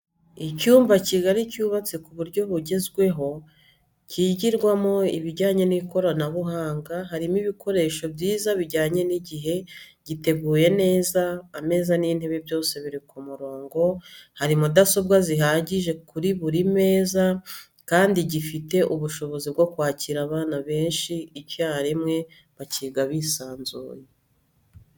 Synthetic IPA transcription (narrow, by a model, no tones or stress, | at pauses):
icuːmvaciɡaɾicuːβat͡sikuβuɾɟo̞βuɟe̞zɡwe̞ɦo̞ | ciɟiɾɡwamo̞iβiɟaːɲe̞niko̞ɾanaβuɦaːŋɡaɦaɾimiβikʰo̞ɾe̞ʃo̞bɟiːzaβiɟaːɲe̞niɟiɦe̞ɟ̥ite̞ɡuːje̞ne̞ːzaːme̞ːzaniːn̥he̞βebjo̞ːse̞βiɾikumuɾo̞ːŋɡo̞haɾimudaso̞b̚ɡaziɦaːɟiʒe̞kuɾiβuɾime̞ːza | kaːndiɟifite̞ʔuβuʃo̞βo̞zibɡo̞kwaːciɾaβaːnaβe̞ːnʃiːcaːhɾimŋe̞ | βaciɡaβisaːnzṵːje